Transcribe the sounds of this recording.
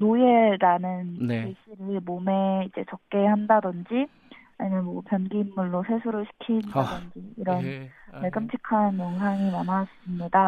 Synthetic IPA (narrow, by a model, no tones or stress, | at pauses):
nojeɾanɯneɕʰiɾɯɭmome̞id͡ʑe̞t͡ɕʌk̚k͈e̞handadɯnd͡ʑi | aɲimɯnmwʌpjʌnɡiːmːuɭːosʰe̞sʰuɾɯɭɕʰi̥kʰindadɯnd͡ʑiiɾʌnmeɭɡɯmt͡ɕʰikʰanjoŋsʰaŋimanasɯmɲida